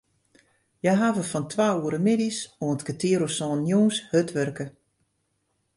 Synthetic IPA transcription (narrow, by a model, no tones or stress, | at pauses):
jajɦaːvəfɔntʰʋauəɾəmɪdisoəntkətʰiəɾosɔːnjuːnshøtʋørkə